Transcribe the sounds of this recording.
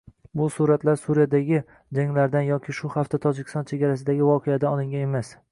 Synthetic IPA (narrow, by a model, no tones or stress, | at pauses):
bʊsuɾat̪laɾsuɾijad̪aɡʲɪ | d͡ʒaŋlaɾd̪anjɒkʲʰɪʃʊhaft̪ʰat̪ʰɒd͡ʒɪkʰʲɪ̥st̪ɒnt͡ʃʰeɡʲaɾasɪd̪aɡʲɪvɒqʰead̪aɒlˠɪŋɡʲane̞mas